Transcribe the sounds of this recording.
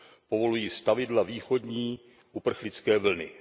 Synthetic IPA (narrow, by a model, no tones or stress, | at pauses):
povo̞lujiːst̪avɪdlaviːxo̞dɲiː | ʔupr̩xlɪt͡skɛːvl̩nɪ̰